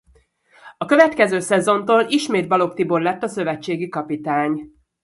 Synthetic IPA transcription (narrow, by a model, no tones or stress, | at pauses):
ɒkø̞vɛt̪kɛzøːsɛzo̞nt̪oːliʃmeːd̪̚bɒlo̞kt̪iborlɛt̪ːɒsø̞vɛt͡ʃːeːɡikɒpit̪aːɲ